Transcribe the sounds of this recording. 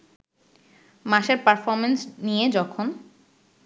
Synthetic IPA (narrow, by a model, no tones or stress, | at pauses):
maʃeɾpaɾfɔɾmensnijed͡ʑɔkʰon